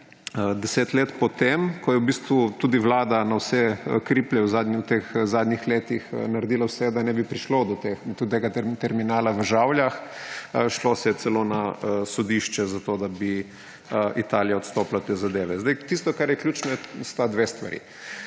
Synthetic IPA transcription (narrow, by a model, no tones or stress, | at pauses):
əd̪ɛseːt̪leːt̪pɔt̪emkɔjɛwbiːst̪ʋut̪uːd̪iʋlaːd̪anawsɛkɾiːplɛwzad̪nit̪exzaːd̪nʲixleːt̪ixnaɾɛd̪iːlawsɛd̪anɛbipɾiʃlod̪ɔt̪exd̪̥ɔt̪eːɡaɛt̪ɛɾminaːlaʋəʒawljax | ʃlosɛjɛt̪sɛlonaəsɔd̪iʃt͡ʃɛzat̪od̪abi | əit̪aːlijaɔt̪st̪oːplat̪ːeːzad̪eːʋɛzd̪ajt̪ist̪ɔkaɾjɛklʲjuːt͡ʃnɔjɛst̪ad̪ʋeːst̪ʋa̰ɾḭ